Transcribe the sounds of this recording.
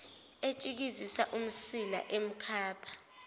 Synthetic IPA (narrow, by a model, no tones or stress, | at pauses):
et͡ʃʼik̬izisaʔum̩sila̰ʔem̩kʰaːpʰḁ